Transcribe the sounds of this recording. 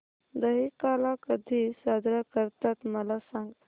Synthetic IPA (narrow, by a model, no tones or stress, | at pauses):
d̪əɦikalakəd̪ʱisad̪ɾakəɾt̪at̪məlasãŋɡ